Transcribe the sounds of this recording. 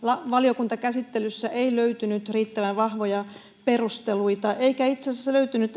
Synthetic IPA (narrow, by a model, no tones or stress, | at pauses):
lɑʋɑliokunt̪ɑkæsit̪ːelysːæʔeiløyt̪ynyt̪riːt̪ːæʋænʋɑhʋojɑ | perust̪eluit̪ɑʔeikæit̪sesæsløyt̪ynyt̪